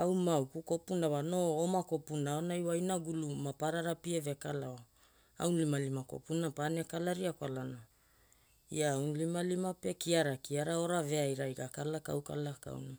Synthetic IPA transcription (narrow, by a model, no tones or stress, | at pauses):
awmawkuko̞punavano̞omako̞punaonajwajnaɡulumapaɾaɾapievekalao | a̰wnlimalimako̰punapanekalaɾiakwalana | iaawnlimalimape̞kiaɾakiaɾao̞ɾave̞ajɾajɡakalaka̰wka̰laka̰wna